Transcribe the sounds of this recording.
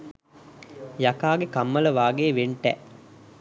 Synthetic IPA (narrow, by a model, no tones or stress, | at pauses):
jakaːɡekamːələʋaːɡeːʋeɳʈɛ